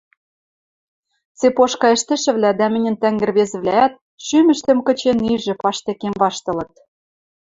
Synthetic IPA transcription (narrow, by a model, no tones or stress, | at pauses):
t͡sepoʃkɑɘ̆ʃt̪ɘ̆ʃɘ̆βlʲæd̪æmɘ̆nʲɘ̆nt̪æŋɡɘ̆rβezɘ̆βlææt̪̚ | ʃymɘ̆ʃt̪ɘ̆mkɤ̆t͡ɕeniʒɘ̆pɑʃt̪ĕkemvɑʃt̪ɤ̆lɤ̆t̪̚